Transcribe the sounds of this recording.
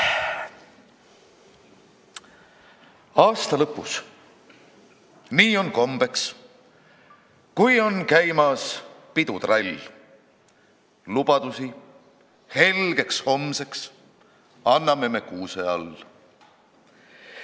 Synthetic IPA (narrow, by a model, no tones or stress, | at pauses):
ɑːst̪ɑlɤpːˑus | niːo̞nko̞mb̥e̞ks | kujo̞nkæjmɑspid̪̥ud̪̥rɑlʲ | lub̥ɑd̪̥usi | he̞lɡ̥e̞ksho̞mseks | ɑnːɑme̞mekuːseɑ̰l